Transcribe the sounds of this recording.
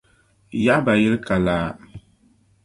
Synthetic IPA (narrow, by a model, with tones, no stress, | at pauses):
ja˦ʔba˨jɛ˦lka˨laː˦